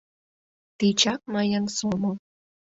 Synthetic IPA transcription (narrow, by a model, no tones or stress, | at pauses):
t̪it͡ɕɑk̚mɑjɑnsomo